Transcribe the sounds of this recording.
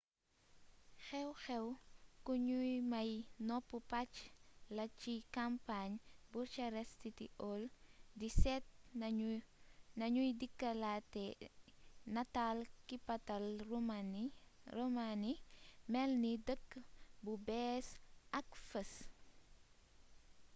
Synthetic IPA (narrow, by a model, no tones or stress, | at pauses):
xɛwxɛwkuɲujmɐjnɔpːupat͡ʃlɐt͡ʃikampaɲbuɾt͡ʃɐɾɛstitḭʔɔldisɛt̚ | nɐɲujdikːɐlatɛ | nɐtalkipɐtɐl | romanimɛlnidəkːbubɛːsʔɐkfəs